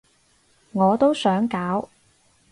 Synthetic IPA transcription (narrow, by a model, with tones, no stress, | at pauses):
ŋɔː˨˧t̪o˥wsœː˨˥ŋkaː˨˥w